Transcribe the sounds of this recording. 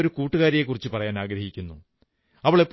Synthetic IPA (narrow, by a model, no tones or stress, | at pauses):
oɾukuːʈːuɣaːɾijekːurit͡ɕːɨpɐrɐjaːnaːɡɾɐhikʲːunːu | ɐʋiɭepː